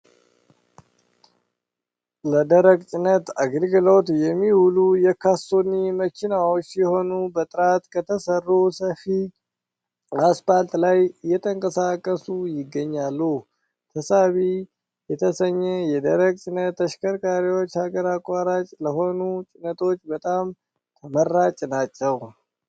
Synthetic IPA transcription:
ləd̪əɾəɡt͡ʃʼɪnːət̪aɡlɡɨlo̞t̪jɛmːihulujɛkʰasonimət͡ʃːɪnawot͡ʃːjɛho̞nubət̪ʼɨɾat̪kʰət̪ʰəsərːusəfi | aspalt̪ʼlajjɛt̪ʰəŋkʼəsakʼːəsujɪɡːəɲːalːu | t̪ʰəsaβi | jɛt̪ʰəsəɲːɛjɛd̪əɾəɡ̚t͡ʃʼɪnːət̪ːəʃkʰəɾkʼaɾiwo̞t͡ʃːhaɡəɾakʼːaɾat͡ʃʼləɦo̞nut͡ʃʼɪnət̪ʰo̞t͡ʃːbət̪ʼam | t̪ʰəmərːat͡ʃʼnat͡ʃːɛw

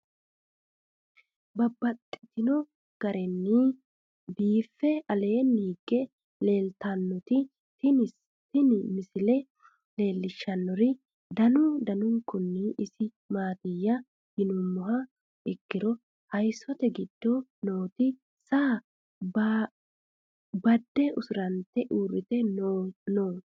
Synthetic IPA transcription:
bɐbːɐt̪ʼːɪt̪ɪnɔ | ɡ̥ɐɾɛnːi | biːfːɛɐle̞ːniːɡɛ | leːlt̪ɐnːɔt̪ɪ | tɪ | t̪ɪnɪmɪsɪlɛ | le̞ːlːɪʃːɐnːɔɾɪ | d̪ɐnʊd̪ɐnʊŋkʊnːɪʔɪsɪ | maːt̪ɪjːɐ | hɪnʊmːʊɦɐ | ɪkːɪɾɔ | hɐjsːɔt̪ɛɡɪd̪̥ːɔ̥noːt̪ɪ | saː | b | bɐd̪ːɛʊsʊɾɐnt̪ɛʔuːrːɪt̪ɛ | noː

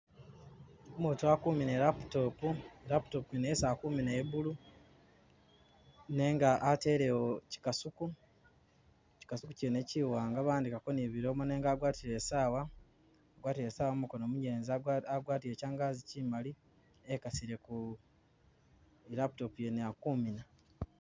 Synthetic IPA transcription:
omutuakuːmine̞ɾapu̥to̞puɾapu̥to̞pujenesaːkumineβulu | ne̞ːŋɡaʔːte̞ːɾe̞woci̥kasuku | ci̥kasuku̥cene̞ciwaːŋɡaβaːndikako̞niβiɾo̞ːmone̞ːŋɡaːɡwaːtiɾe̞ːsaːwaː | ɡwaːtiɾeːsaːwamukonoːmuɟe̞ːnziaɡwaːtiɾe̞ːcaːŋɡaːzicimali | ekasiɾe̞ku | iɾapu̥to̞puje̞neakumina

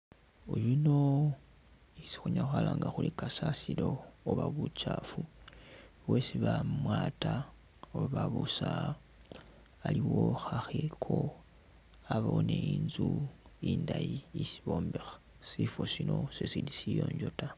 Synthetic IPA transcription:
ojuno | isi̥xuɲaxalaːŋɡaxulikasasilo̞ːβaβut͡ʃaːfu | βwesiβamwaːta | oββaβusa | liwo̞xaxekʰo̞ | aβaooneiːnzuiːndajiisiβo̞ːmbexa | sifosino̞sesilisijo̞̰ːɲɟo̞ta

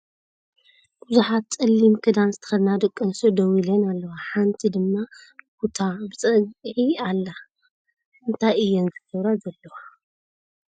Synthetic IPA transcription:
buzuħat̪t͡sʼɨlːimkʰɨd̪anzɨt̪ʰɐ̥xɐlnad̪ɐkʼːɐnsod̪ɐwilɐnalːɐwaħant̪ʰid̪ɨmːabut̪ʰabɨt͡sʼɐɡʕialːa | ɨnt̪ʰajɨjːɛnzɨkɐβɾazɐlːɐwa

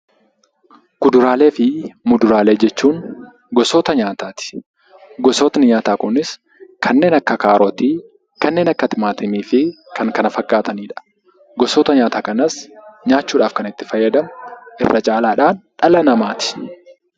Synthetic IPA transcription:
ɡ̥ʊd̪ʊɾaːle̞ːfɪmʊd̪ʊɾaːle̞ːd͡ʒɛt͡ʃːuːn | ɡɔsoːt̪ɐɲaːt̪aːt̪ɪ̥ | ɡɔsoːt̪nɪɲaːt̪aːkʼʊnɪs | kʰɐnːe̞ːnɐkːɐkaːɾɔt̪i | kɐnːe̞ːnɐkːɐt̪ɪmaːt̪ɪmiːfɪ | kʰɐŋkɐnɐfɐkːaːt̪ɐniːᶑɐ̥ | ɡɔsoːt̪ɐɲaːt̪aːkʼɐnɐsɲaːt͡ʃːuːᶑaːfkɐnɪt̪ːɪ̥fɐjːɐd̪ɐmʔɪ̰rːʔɐt͡ʃʼaːlaːᶑaːnᶑɐlɐnɐmaːt̪ɪ̥

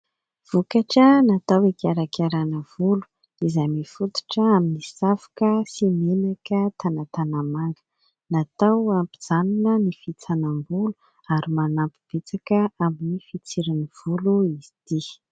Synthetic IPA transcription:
v̥ukaʈ͡ʂənat̪awekaɾakaɾanəv̥ulu̥ | izamifut̪u̥ʈ͡ʂəaminisafḁkəsimenakət̪anat̪anamaŋɡə̥ | nat̪awampid͡zanunənifit͡sanambulu̥ | aɾimanampi̥b̥et͡sakəaminifit͡siɾiniv̥uluiz̥i̥t̪i

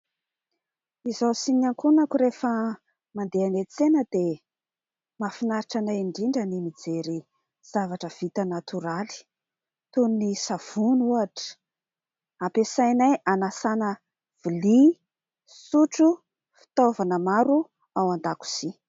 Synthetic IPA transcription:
izowsinaŋkunakuɾefə | mand̪eanet͡senəd̪̥e | mafinaɾiʈ͡ʂanaiɳɖ͡ʐiɳɖ͡ʐənimid͡zeɾi | z̥avaʈ͡ʂəv̥it̪anat̪uɾali̥ | t̪unnisav̥unuaʈ͡ʂə̥ | apesajnajʔanasanə | v̥ili | suʈ͡ʂu | fi̥t̪ovanəmaɾu | awand̪aku̥z̥i

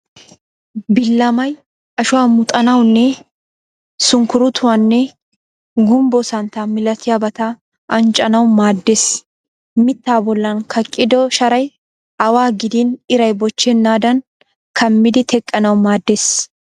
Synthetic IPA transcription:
bɪlːɐmɐj | ɐʃʊwaːmʊt̪ʼɐnɐwnːɛ | sʊŋkʊɾʊt̪ʰʊwanːɛ | ɡʊmbɔsɐnt̪amɪlɐt̪ʰɪjabɐt̪a | ʔɐnt͡ʃʼːɐnɐwmaːd̪ːeːs | mɪt̪ːaːbɔlːɐnkʰɐkʼːɪd̪ɔʃɐɾɐj | ʔɐwaːɡɪd̪iːnɪɾɐjbɔt͡ʃːɛnːaːd̪ɐn | kʰɐmːɪd̪ɪt̪ʰɛkʼːɐnɐwmaːd̪ːeːs

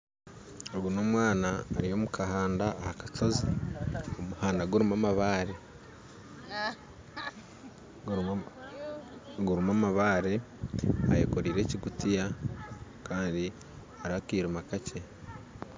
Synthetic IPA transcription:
oɡunomwaːnaːɾijo̞mukʰahaːndaːhakḁt͡ʃoziomuhaːndaɡoɾimamaβaːɾe̞ | ɡuɾumamaβaːɾe̞ | a̰jḛkoɾiːɾe̞ːciɡutija | kaːndi | aɾakiːɾumakacʰe̞

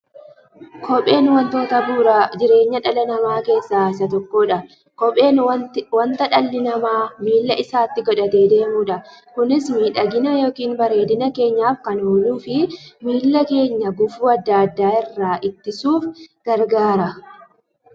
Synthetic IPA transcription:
kʰɔpʼe̞ːnwɐnt̪o̞ːt̪ɐbuːɾad͡ʒɪɾe̞ːɲːɐᶑɐlɐnɐmaːke̞ːsːaːɪs̬ɐt̪ɔkːo̞ːᶑɐ | kɔpʼe̞ːnwɐnt̪ɐᶑɐlːɪnɐmaːmiːlːɐʔɪsaːt̪ːɪɡɔᶑɐt̪eːd̪e̞ːmuːᶑɐkʊnɪsmiːᶑɐɡɪnɐjo̞ːkiːnbɐɾe̞ːd̪ɪnɐke̞ːɲːaːfkɐnhoːluːfɪmiːlːɐke̞ːɲːɐɡʊfuːɐd̪ːɐɐd̪ːaːɪrːaːʔɪt̪ːɪsuːfɡ̥ɐɾɡaːɾɐ

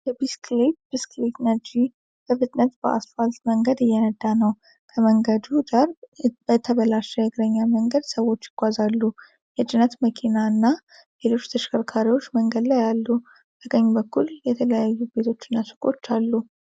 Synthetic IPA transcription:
jɛbisklet̪b̥isklit̪nəɾd͡ʒi | b̥əfɨt̪ʼnət̪bəʔa̰sfalt̪məŋɡəd̪ɨjːɛnəd̪ːanəw | kʰəməŋɡəd̪hud͡ʒ̪aɾbət̪ʰəβəlaʃɛjɛɡɨɾəɲːaməŋɡəd̪səwo̞t͡ʃːɪɡ̥ʷazalːu | jɛt͡ʃʼɪnət̪məkʰinaɨnːa | lelo̞t͡ʃːt̪ʰəʃkʰəɾkʰaɾiwo̞t͡ʃːməŋɡəd̪lajalːu | b̪ʰəɡəɲːubəkːuljɛt̪ʰələjajːube̞t̪ʰo̞t͡ʃːɨnːasɨ̥kʼo̞t͡ʃːalːu

